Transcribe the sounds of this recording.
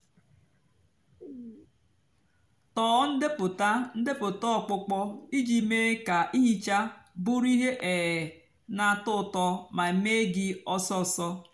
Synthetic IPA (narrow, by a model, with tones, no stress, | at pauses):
tɔː˨˦n̩˦dɪ˦pʊ˨ta˦n̩˦de˦pʊ˨tɔ˦ɔ˦˨k͡pʊ˦k͡pɔ˦i˦d͡ʒi˨me˦ka˨ʔi˦ɦi˦t͡ʃa˦bʊ˦ɾi˦ɦe˦ʔe˨e˨ | na˨tʊ˦˨tɔ˦ma˨e˨me˦ɡɪ˦ɔ˦sɔ˦˨sɔ˦